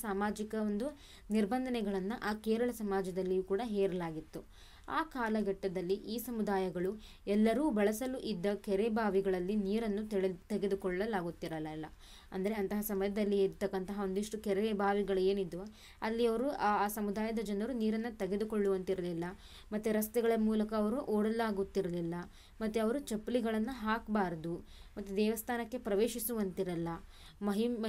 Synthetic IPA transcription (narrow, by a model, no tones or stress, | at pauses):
saːmaːd͡ʒikɐond̪u | niɾbɐnd̪ʱɐnɛɡɐɭɐnːuʔaːkɛːɾɐɭɐsɐmaːd͡ʒɐd̪ɐlːijuːkuːɽɐɦeːɾɐlaːɡit̪ːu | aːkaːlɐɡɐʈːɐd̪ɐlːiʔiːsɐmud̪aːjɐɡɐɭu | ɛlːɐɾuːbɐɭɐsɐluʔid̪ːɐkɛɾebʱaːʋiɡɐɭɐlːiniːɾɐnːut̪iɭet̪ɛɡe̞d̪ukɔɭːɐlaːɡut̪ːiɾɐlɐlːɐ̰ | ɐnd̪ɐɾe̞ɐnt̪ɐɦɐsɐmɐjɐd̪ɐlːiːɾt̪ːɐkːɐnt̪ɐɦɐo̞nd̪iʂʈukɛɾeebʱaːʋiɡɐɭueːnid̪ːu | ɐlːiɐʋɐɾuaːsɐmud̪aːjɐd̪ɐd͡ʒɐnɐɾuniːɾɐnːut̪eɡe̞d̪ukoɭːuʋɐnt̪iɾɐlilːɐ | mɐt̪ːuɾɐst̪ɛɡɐɭɐmuːlɐkɐːʋɐɾuʔoːɽɐlaːɡut̪ːiɾɐlilːɐ | mɐt̪ːuɐʋɐɾut͡ʃɐpːɐliɡɐɭɐnːuɦaːkbaːɾɐd̪u | mɐt̪ːud̪ɛːʋɐst̪ʰaːnɐkːepɾɐʋeːʃisuʋɐnt̪iɾɐlːɐ | mɐɦi